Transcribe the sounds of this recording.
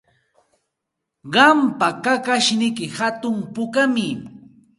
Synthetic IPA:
ɢɑmpakakaʃnɪkɪhat̪ʊmpʊkamɪ

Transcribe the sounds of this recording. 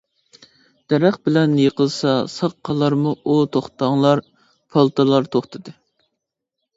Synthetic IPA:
d̪̥ɛɾɛχbɪlɛnjeqəlˠsɑsɑqqʰːɑlˠɑɾmuut̪ʰoχt̪ɑŋlˠɑɾ | pʰɑlˠt̪ʰɨlˠɑɾt̪ʰoχt̪ʰɨd̪ɨ

